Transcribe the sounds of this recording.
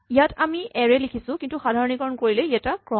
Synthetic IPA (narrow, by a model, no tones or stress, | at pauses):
ijatʰamiʔɛɹɛlikʰisʊ̃kintuxadʱaɹɔnikɔɹɔnkoɹilɛiɛtakɹɔ